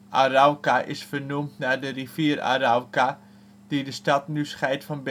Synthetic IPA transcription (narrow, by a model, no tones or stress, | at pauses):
ʔa̰rawkaʔɪ̰sfərnumtnadəriviəra̰rawka | d̥idəstɑtnysχɛjtfɑnb